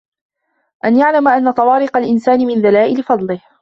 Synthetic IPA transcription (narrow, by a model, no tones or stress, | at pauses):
ʔanjaʕlamaʔanːɑt̪ˤɑwɑːɾɪqɑlʔɪnsaːnɪmɪnðalaːʔɪlɪfɑd̪ˤlɪh